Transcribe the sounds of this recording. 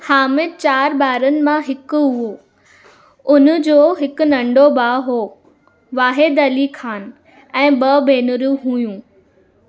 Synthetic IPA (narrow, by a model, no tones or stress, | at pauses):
haːmɪd̪̚t͡ɕaːɾbaːɾənɪ̆mãɦɪkʊɦuo | ʊnd͡ʑoːɦɪk̆nɐ̃ɳɖobaːɦoː | ʋaːɦed̪ɐlikʰaːn | ɛ̃ːbɐbʱeːnʊɾuɦuːjũː